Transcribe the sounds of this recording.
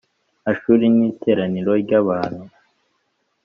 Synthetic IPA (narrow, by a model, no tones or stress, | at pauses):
aʃuːɾiniːtʰe̞ːɾaniɾo̞ɾɟaβaːn̥hu